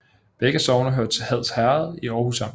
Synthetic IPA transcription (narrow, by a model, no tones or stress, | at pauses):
b̥eɡ̥əsɒʊnɐɦøɐd̥̚t͡sʰe̝lhæð̞̰ˠshæɐð̩ˠiɒʊhusɑ̈m̰